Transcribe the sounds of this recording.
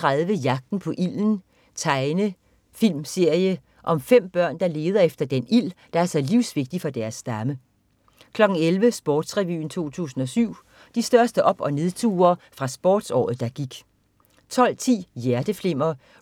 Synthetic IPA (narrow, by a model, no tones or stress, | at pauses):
t͡sʁaðˠʋəjɑ̈ɡ̥̚d̥n̩pʰɒ̽ʔil̰n̩ | t͡sʰɑ̈ɪnə | fil̰mse̝ɐ̰jə | ʔɒ̽mfem̰b̥ɶɐ̰nd̥ɑ̈le̝ːð̞ˠɐefd̥ɐd̥enil̰d̥ɑ̈æɐsɑɪliʊ̰sʋe̝ɡ̥̚d̥ifɒ̽d̥æɐsːd̥ɑmə | kʰlɒ̽ɡ̥n̩elʋəsb̥ɒːd̥sʁɛʋy̰ːn̩t͡sʰo̝̰ːt͡sʰṵːsn̩ɒsyʊ̰ | d̥isd̥ɶɐsd̥əʔɒ̽b̥ɒ̽ne̝ðˠt͡sʰṵːɐːfʁɑ̈sb̥ɒ̰ːd̥sɒ̰ːð̩ˠd̥ɑ̈ɡ̥iɡ̥ | t͡sʰɒ̽l̰t͡sʰḭːjæɐd̥əfle̝m̰ɐ